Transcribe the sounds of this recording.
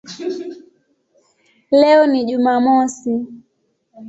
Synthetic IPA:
lɛɔniʄumamɔsi

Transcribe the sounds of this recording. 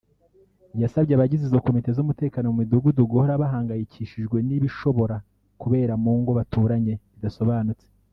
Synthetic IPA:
jasabɟeaβaɟizizo̞ko̞mite̞zumute̞ːkaːno̞mumiduɡuduɡo̞ɾaβaɦaːŋɡajicʰiʃiʒɡwe̞niβiʃo̞βo̞ɾa | kuβe̞ːɾamuːŋɡo̞βatʰuːɾaɲe̞βidaso̞βaːnut͡se

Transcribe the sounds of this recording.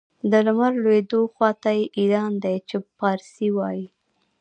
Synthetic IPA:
d̪əlʊmaɾlwed̪oxwɑt̪ajeʔiɾɑnd̪ajt͡ʃepɑɾsiwɑji

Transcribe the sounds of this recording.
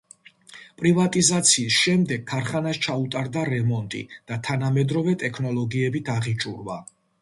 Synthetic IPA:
pʼɾivat̪ʼizat̪sʰiːsʃɛmd̪ɛɡ̚kʰːaɾχanast͡ʃʰaut̪ʼaɾd̪aɾɛmɔnt̪ʼḭd̪̥at̪ʰanamɛd̪ɾɔvɛt̪ʼɛkʰnɔlɔɡiɛbit̪ʰaʁit͡ʃʼṵɾva

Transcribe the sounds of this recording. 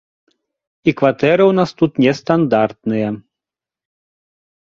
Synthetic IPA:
ikvat̪ɛɾɨwnast̪ut̪nʲɛst̪and̪art̪̚nɨjɐ

